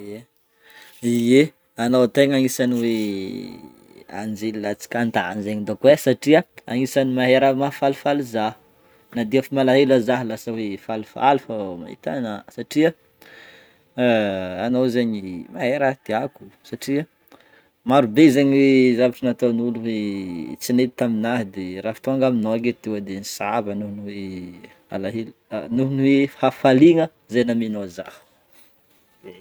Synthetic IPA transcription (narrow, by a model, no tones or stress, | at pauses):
e | ie | anowt̪eɲaŋisaniwe | a̰nd͡zelilat͡si̥kant̪aanzeɲid̪akwesaʈ͡ʂiəa̰ŋisanimaɦeɾəmafalufalizah | nad̪eafimalaɦelazaɦlasawefalufa̰lufama̰ɦḭt̪a̰nasaʈ͡ʂiə | anowzaɲimaeɾat̪iaku̥saʈ͡ʂiə | maɾubezaɲiwezavaʈ͡ʂanat̪onuluwet͡sinet̪it̪aminaɦid̪eɾafi̥t̪oaŋɡaminoaket̪ewəd̪enisabənuɦnwe | a̰laɦelnuɦunwehafaliŋə | zanaminozahə̥ | e